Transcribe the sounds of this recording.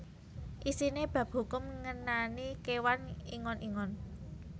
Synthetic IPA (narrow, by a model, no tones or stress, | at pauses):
ʔisineb̥ä̤p̚ɦṳkʊmŋənanikewaniŋɔnʔiŋɔn